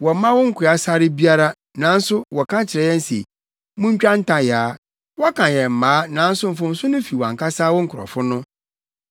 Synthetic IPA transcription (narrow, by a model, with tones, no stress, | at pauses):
wɔ˨mã˦wɔ˦ŋ̩˦kʰʊ˨a˦sa˦ɾɪ˦bi˦a˦ɾa˦ | nã˨˦n̩˦sʊ˦wɔ˨kʰã˦t͡ɕʰɪ˨ɾɛ˨˦jɛ̃˦n̩˦sḛ˨ | mũ˦ɲ˦t͡ɕᶣã˦n̩˦tʰã˨jaː˨˦ | wɔ˦kʰã˨jɛ˨m̩˨mãː˨˦nã˨˦n̩˦sʊ˦m̩˨fʊ̃˨n̩˦sʊ˦nʊ̃˦fi˨wã̰˨ŋkʰa˦saː˦wɔ˦ŋ̩˦kʰʊ˨ɾɔ̰˨fʊ˦nʊ̃˦